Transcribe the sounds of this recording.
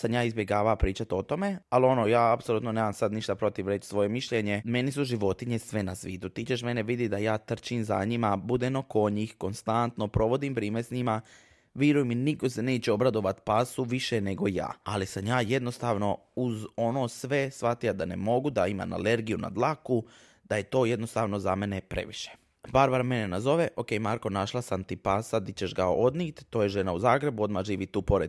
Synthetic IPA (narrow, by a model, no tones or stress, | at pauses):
samjaːizbje̞ɡaːʋapɾiːt͡ʃat̪o̞t̪o̞me̞alio̞noːjaːapsoluːt̪no̞neʋaːmsad̪niʃt̪apɾo̞t̪iʋɾe̞t͡ʃsʋo̞je̞miʃʎeɲe̞me̞nisuʒiʋo̞t̪iɲe̞sʋe̞nasʋiːd̪ut̪it͡ʃeʃme̞neʋid̪id̪ajaːt̪r̩t͡ʃinza̰ɲimabud̪enoko̞ɲixko̞nst̪ant̪no̞pɾo̞ʋo̞d̪impɾiːmesɲima | ʋjiɾujminiko̞se̞neːt͡ɕeo̞bɾad̪o̞ʋat̪pasuʋiʃene̞ɡo̞ja̰ːalisamjaːje̞d̪no̞st̪aːʋno̞uzo̞noːsʋe̞sʋat̪ijad̪ane̞mo̞ɡud̪aima̰na̰le̞ɾɡijuna̰d̪lˠaku | d̪̥aje̞t̪o̞ːje̞d̪no̞st̪aːʋno̞zame̞ne̞pɾe̞̰ʋiʃe̥ | baɾbaɾme̞nenazo̞ʋe̞ʔo̞ke̞jmaɾko̞naʃlˠasamt̪ipasad̪it͡ɕeʃɡao̞d̪niːt̪ːoːjeʒe̞nauzaːɡɾe̞buo̞d̪maʒiːʋit̪uːpo̞ɾe